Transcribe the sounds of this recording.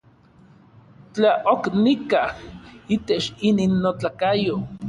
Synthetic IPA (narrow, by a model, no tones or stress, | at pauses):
t͡ɬaʔoknikahit̪et͡ʃininːot͡ɬakajo